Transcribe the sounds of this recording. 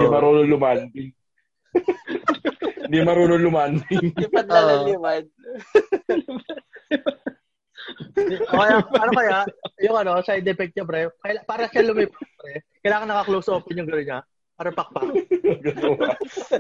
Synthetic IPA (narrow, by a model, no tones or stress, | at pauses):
imɐɾoːnolʊmand̪ɪŋ | nd̪imɐɾoːnolʊmand̪ɪŋɐt̪aɐɪmad̪ | okɐjapanɐkɐjajʊŋɐno̞sajd̪ɛpɛk̚t̪̚ɲɐbɾɛkɐjpaːɾɐʃalʊmɛpɐbɾɛkɐjlaːŋɐnɐkaklowsʔoːpɛnjʊŋɡɐnoɲːa | paːɾɐpɐk̚paɡɐt̪oɐ